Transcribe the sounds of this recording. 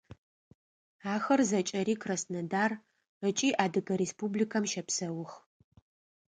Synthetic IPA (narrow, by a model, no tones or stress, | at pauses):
aːxɐrzɐt͡ʃʼɐɾiːkʰrɐsnɐdaːr | ət͡ʃʼiːʔaːdɨɡɐɾeːspublikʰɐmʃɐpsɐwʊx